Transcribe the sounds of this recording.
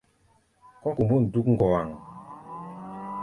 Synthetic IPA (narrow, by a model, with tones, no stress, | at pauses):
kɔ˦ku˨mbo˦˨n̩˨du˦kŋ̩˦ɡɔ˨wa˨ŋ